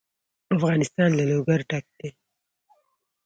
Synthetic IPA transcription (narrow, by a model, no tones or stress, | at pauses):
afɣɑnɪst̪ɑnlaloɡaɾʈak̚d̪̥e